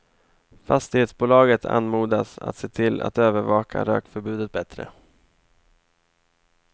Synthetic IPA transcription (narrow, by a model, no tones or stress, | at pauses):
fast̪ɪɡheːt̪sbuːlɑːɡət̪ʰa̰nmuːd̪asa̰t̪seːt̪ʰɪlːa̰t̪øːvəɾvɑːkʰa̰ɾø̰ːkfœɾbʉ̟ːd̪ət̪̚bɛt̪ɾə̰